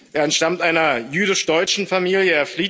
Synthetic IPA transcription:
ʔeːɐɛntʃtamtʔaɪnɐjyːdɪʃd̥ɔʏt͡ʃn̩famiːljəeːɐfliː

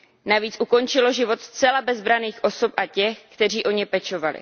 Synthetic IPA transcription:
naviːt͡sʔuko̞nt͡ʃɪlo̞ʒɪvo̞t̪st͡sɛlabɛzbɾaniːxʔo̞so̞pʔacɛxkt̪ɛr̝iːʔo̞ɲɛpɛt͡ʃo̞valɪ̰

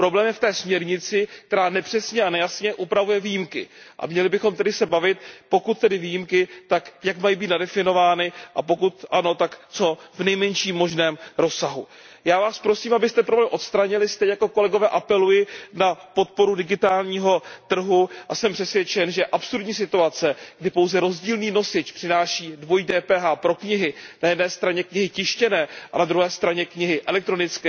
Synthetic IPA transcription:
pɾo̞blɛːmjɛft̪ɛːsmɲɛɾɲɪt͡sɪk̚t̪ɛɾaːnɛpr̥ɛsɲɛanɛjasɲɛʔupɾavujɛvijimkɪʔa̰mɲɛlɪbɪxo̞mt̪ɛdɪsɛbavɪt̪po̞kut̪̚ːɛdɪvijimkɪt̪akjakmajibiːt̪nadɛfɪno̞vaːnɪʔapo̞kut̪ʔano̞t̪akt͡so̞vnɛjmɛɲʃiːmːo̞ʒnɛːmɾo̞sːaɦu | jaːvaːspɾosiːmabɪst̪ɛpɾoblɛːmʔo̞t̪st̪ɾaɲɪlɪst̪ɛɲɛjako̞ko̞lɛɡo̞vɛːʔapɛlujɪnapo̞t̪̚po̞ɾudɪɡɪt̪aːlɲiːɦo̞t̪r̩ɦuʔasɛmpr̝̥ɛsvjɛt͡ʃɛnʒɛʔapsuɾdɲiːs̬ɪt̪uat͡sɛɡ̥dɪpo̞wzɛɾo̞zɟiːlniːno̞sɪt͡ʃpr̥ɪnaːʃiːdvo̞jdɛːpɛːɦaːpɾo̞kɲɪɦɪnajɛdnɛːst̪ɾaɲɛkɲɪɦɪcɪʃcɛnɛːʔa̰nad̪ɾuɦɛːst̪ɾaɲɛkɲɪɦɪʔɛlɛk̚t̪ɾo̞nɪt͡skɛː

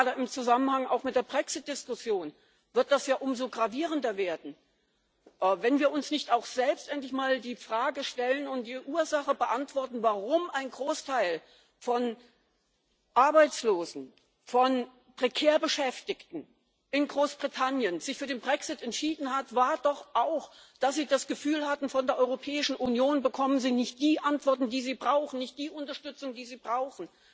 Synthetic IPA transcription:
dɐʔɪmt͡suzamənhaŋa̰ʊxmɪt̚d̥eːɐbʁɛksɪt̚d̥ɪskʊsjoːn | vɪɐt̚d̥asjaːʔʊmzoːɡʁaviːʁəndɐveːɐdn̩ | ʔvɛnviːɐʊnsnɪçtaʊxz̥ɛlpstʔɛntlɪçmaːldiːfʁ̥aːɡəʃtɛlənʊnt̚d̥iːʔuːɐzaχəbəʔantv̥ɔɐtn̩vaʁʊmʔaɪnɡʁoːstʰaɪl | fɔn | ʔaɐbaɪt͡sloːzn̩ | fɔn | pʁ̥ekʰeːɐbəʃɛftɪktn̩ | ʔɪnɡʁoːsb̥ʁitʰanjənz̥ɪçfyːɐdeːnbʁɛksɪtɛntʃiːdn̩hatvaːɐdɔχʔaʊxd̥asz̥iːdasɡ̥əfyːlhatn̩fɔndeːɐʔɔʏʁopʰɛːɪʃn̩ʔunjoːnbəkʰɔmənziːnɪçt̚d̥iːʔantv̥ɔɐtn̩diːziːbʁaʊxn̩nɪçt̚d̥iːʔʊntɐʃtʏt͡sʊŋdiːziːbʁaʊxn̩

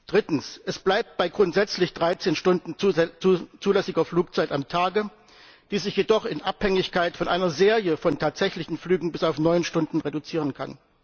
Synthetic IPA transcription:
d̥ʁɪtn̩sʔɛsb̥laɪp̚t̚b̥aɪɡʁʊntz̥ɛt͡slɪçd̥ʁaɪt͡seːnʃtʊndn̩ | t͡suːlɛsɪɡɐfluːk̚t͡saɪtamtʰaːɡə | d̥iːzɪçjedɔχɪnʔa̰phɛŋɪçkaɪtfɔnʔaɪnɐzeːʁjəfɔntʰaːtz̥ɛçlɪçn̩flyːɡŋ̩bɪsaʊfnɔʏnʃtʊndn̩ʁedut͡siːʁ̞ənkʰa̰n

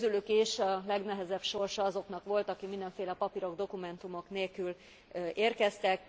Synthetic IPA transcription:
zylykiʃɒlɛɡnɛɦɛzɛbʃo̞rʃɒɒzo̞knɒkʋo̞lt̪ɒkikmind̪ɛɱfeːlɛpɒpiɾo̞ɡd̪o̞kumɛnt̪umo̞kneːlkyl | eːrkɛst̪ɛk

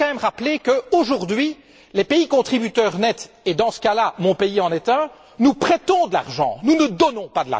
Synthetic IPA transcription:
ɑ̃mɛmʁaplekəoʒuʁd̪ɥi | lɛpeikɔ̃t̪χibyt̪œʁnɛt̪ | ed̪ɑ̃sə̥kalamɔ̃peiɑ̃nɛt̪ɛ̃ | nupχɛt̪ɔ̃d̪əla̰ʁʒɑ̰̃nunəd̪ɔnɔ̃pad̪əla̰

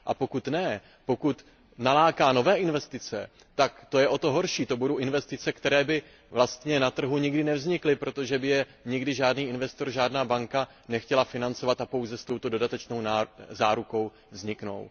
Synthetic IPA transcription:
ʔapo̞kut̪nɛ | po̞kut̪ | nalaːkaːno̞vɛːʔɪnvɛst̪ɪt͡sɛ | t̪akt̪o̞jɛʔo̞t̪o̞ɦo̞ɾʃiːt̪o̞budo̞wʔɪnvɛst̪ɪt͡sɛkt̪ɛɾɛːbɪ | vlast̪ɲɛnat̪r̩ɦuɲɪɡdɪnɛvzɲɪklɪpɾo̞t̪o̞ʒɛbɪjɛ | ɲɪɡdɪʒaːdniːʔɪnvɛst̪o̞rʒaːdnaːbaŋka | nɛxcɛlafɪnant͡so̞vat̪apo̞wzɛst̪o̞wt̪odo̞dat̪ɛt͡ʃno̞wnazaːɾuko̞w | vzɲɪkno̞̰w

